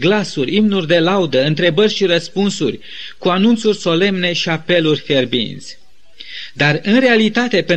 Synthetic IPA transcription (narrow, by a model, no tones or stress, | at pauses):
ɡlasurʲimnurʲd̪e̞laud̪əɨnt̪ɾe̞bərʲʃiɾəspunsurʲ | kuanunt̪surʲso̞le̞mne̞ʃiape̞lurʲfe̞rbḭnsʲ | d̪arɨnre̞alit̪at̪e̞pe